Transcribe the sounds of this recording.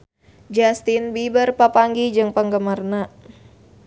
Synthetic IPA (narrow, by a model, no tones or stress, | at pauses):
d͡ʒast̪inbibərpapaŋɡid͡ʒɨŋpəŋɡəmarna